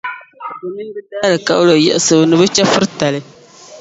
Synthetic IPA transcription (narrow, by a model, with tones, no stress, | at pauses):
bɨ˨ni˦bɨ˦daː˦lɨ˨ka˨ʔʊ˦lo˨jɛ˦ʔɪ˨sɨ˨bɨ˨nɨ˨bɨ˦t͡ʃɛ˦fɨ˦ɾta˨lɨ˦